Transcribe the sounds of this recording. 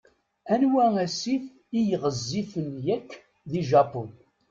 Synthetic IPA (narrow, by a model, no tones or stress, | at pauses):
ænwææsif | ijəʁəzːifənjækː | ðiʒɑpʊn